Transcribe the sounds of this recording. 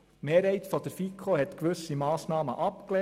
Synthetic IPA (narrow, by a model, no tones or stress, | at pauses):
meːɾhɛɪt̪fod̥̪əɾfikʰohɛt̪kʋɵsimɑːsnɑːməʔɑpklɛ